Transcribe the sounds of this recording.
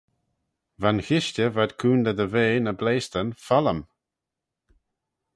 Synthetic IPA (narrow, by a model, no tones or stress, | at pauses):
vanxɪʃtəvad̪kʰuːnd̪əd̪əveːnəbleːst̪ənfaləm